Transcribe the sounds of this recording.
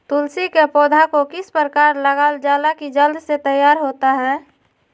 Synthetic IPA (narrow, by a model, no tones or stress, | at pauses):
t̪ʊlsikepɔːd̪ʱakokɪspɾəkaːɾləɡaːld͡ʒaːlakid͡ʒəld̪set̪əjːaːɾɦoːt̪aɦɛː